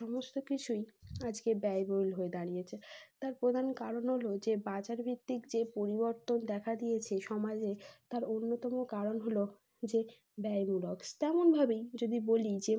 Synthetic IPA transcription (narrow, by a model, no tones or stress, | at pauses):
ʃɔmost̪okit͡ɕʰujad͡ʑkebɛjbojlɦoed̪aɽ̃ijet͡ɕʰet̪aɾpɾod̪ʱankaɾonɦolod͡ʑebat͡ɕaɾbʱit̪ːikd͡ʑepoɾiboɾt̪ond̪ɛkʰad̪ijet͡ɕʰeʃɔmad͡ʑet̪aɾonːot̪ɔmokaɾonɦolo | d͡ʑe | bɛemulɔkst̪ɛmonbʱabejd͡ʑod̪ibolid͡ʑe